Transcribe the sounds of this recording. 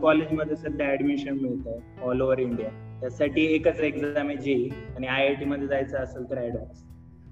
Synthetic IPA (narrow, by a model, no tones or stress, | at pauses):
kɔled͡ʑməd̪ʱːjesəd̪ʱaːɖmiɕənmiɭt̪a | ɔloʋəɾiɳɖijat̪jasaʈiːekat͡səeɡzamid͡ʑeiaɽ̃iajaʈiməd̪ʱːjed͡zajt͡saːsəlʈ̪ɾajɽəɾs